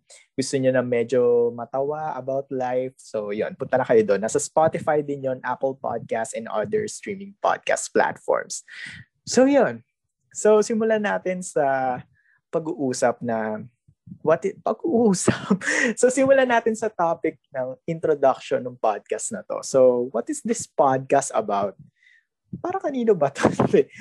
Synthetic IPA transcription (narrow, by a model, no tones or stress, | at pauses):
ɡ̥ʊst̪oɲonɐmɛd͡ʒomɐt̪ɐwaɐbawt̪lajfsojo̰npʊnt̪ɐnɐkɐjod̪onːaːsɐspat̪ɪfajd̪ɪnjoŋʔapəlpa̰d̪̚kast̪ɛnd̪ʔa̰d̪ɛɹst̪ɹiːmɪŋpa̰d̪̚ka̰st̪̚pla̰t̪fo̰ɹms | sojon | sowsɪmʊlanaːt̪ɪnsɐ | pɐɡuʔuːsɐp̚nɐ | wɐt̪ɪpɐɡuʔuːsɐp̚sosɪmʊlanaːt̪ɪnsɐt̪aːpɪk̚nɐŋʔɪnt̪ɾod̪ɐk̚ʃonːʊŋpad̪̚kɐst̪nɐt̪o̞̰sowɔt̪ɪsd̪ɪspad̪̚kast̪ɐ̰bawt̪̚ | paːɾɐkɐniːnobɐt̪oɛ